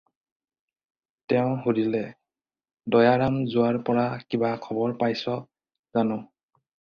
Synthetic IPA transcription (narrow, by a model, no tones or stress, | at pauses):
tɛʊ̃ɦuɹilɛ | dɔjaɹamzʊaɹpɔɹakibakʰɔbɔɹpajsɔ | zanɔ̃